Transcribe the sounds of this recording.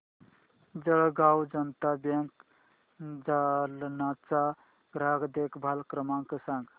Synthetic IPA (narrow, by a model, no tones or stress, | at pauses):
d͡ʒəɽɡawd͡ʒənt̪abjẽŋk | d͡ʒalnat͡ʃa | ɡɾaɡd̪ekbʱalkɾəmaŋkesãŋɡ